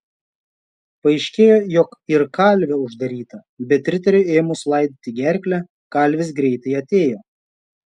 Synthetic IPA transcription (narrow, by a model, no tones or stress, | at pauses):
pɐɪʃʲkʲeːjoːjɔkɪɾkɑlʲʋʲɛʊʒd̪ɐɾʲiːt̪ɐ | bʲɛt̪ːʲɾʲɪt̪ɐɾʲoeːmʊslˠɐˑɪd̪ʲɪt̪ʲɪɡʲæɾʲkʲlʲɛ | kɐlʲˑʋʲɪs̬ɡɾʲɛɪt̪ɐɪɐt̪ʲeːjoː